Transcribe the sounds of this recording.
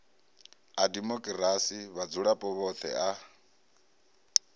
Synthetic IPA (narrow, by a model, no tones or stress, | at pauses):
adimɔkʼiɾasiβad͡zuɺapʼɔβɔt̪ʰɛ̰a